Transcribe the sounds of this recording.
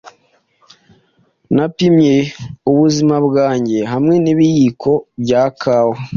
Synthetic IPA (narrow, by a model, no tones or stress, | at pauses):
napimɲeuβuzimabɡaːɲɟe̞ɦamŋe̞niβijikʰo̞bɟaːkʰaːwo